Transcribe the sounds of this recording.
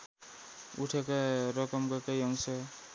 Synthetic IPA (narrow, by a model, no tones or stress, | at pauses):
uʈʰʌkaɾʌkʌmkʌkajʌŋsʌ